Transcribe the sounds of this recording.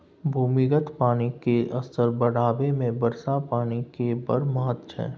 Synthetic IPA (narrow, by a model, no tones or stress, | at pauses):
bʱuːmiɡət̪paːnikeʔɐst̪əɾbəɽ̤aːbemẽbəɾsapaːnikebəɾmaːt̪t͡ʃʰɛ̰ː